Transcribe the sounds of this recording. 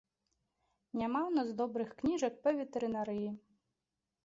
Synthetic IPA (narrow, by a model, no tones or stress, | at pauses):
nʲamawnazd̪ɔbɾɨxknʲiʒɐk̚pɐʋʲit̪eɾɪnaɾɪji